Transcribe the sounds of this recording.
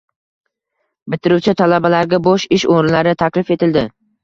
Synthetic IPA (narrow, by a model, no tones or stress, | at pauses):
bɪt̪ʰɪɾuwt͡ʃʰɪt̪ʰalabalaɾɡʲaboʃɪʃoɾɪnlaɾɪt̪ʰakʲlɪfe̞t̪ʰɪld̪ɪ